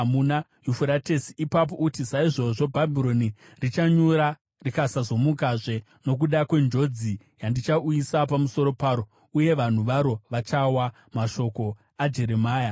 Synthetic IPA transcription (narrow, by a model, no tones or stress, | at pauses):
muna | jufuɾate̞siipap̬oʔutisaiʐo̞ʐo̞bʱabʱiɾo̞ni | rit͡ʃaɲuɾa | rikasazo̞mukaʐe̞ | no̞k̬uɗakwe̞nd͡ʒo̞d͡zi | jandit͡ʃauisapamuso̞ɾo̞paːɾo̞ | uje̞ʋan̤uʋaɾo̞ʋat͡ʃawa | maʃo̞ko̞ | ad͡ʒe̞ɾe̞maːja